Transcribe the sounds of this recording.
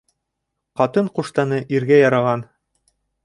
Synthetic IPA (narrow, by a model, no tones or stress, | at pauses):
qɑt̪ɤɴquʃt̪ɑnɤʔiɾɡæjɑɾɑʁɑn